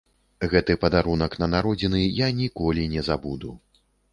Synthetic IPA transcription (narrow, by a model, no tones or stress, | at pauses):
ɣɛt̪ɨpɐd̪aɾunɐknɐnaɾɔd͡zʲinɨjanʲikɔlʲinʲɛzabud̪u